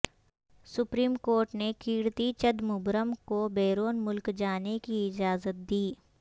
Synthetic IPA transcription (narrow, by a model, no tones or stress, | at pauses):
sʊpɾiːmkoːɾʈnekiːɾt̪it͡ʃəd̪mʊbɾəmkobeːɾoːnmʊlkd͡ʒaːnekiɪd͡ʒaːzət̪̚d̪iː